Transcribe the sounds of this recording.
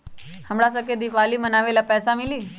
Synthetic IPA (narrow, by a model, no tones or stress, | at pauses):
həmɽasəked̪iʋaliːmənaʋelapɛsamiliː